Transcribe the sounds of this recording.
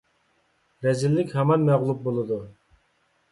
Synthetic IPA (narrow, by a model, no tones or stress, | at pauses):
ɾɛzɪlːɪkʲhɛmɑnmɛʁlˠup̚bolˠɨd̪u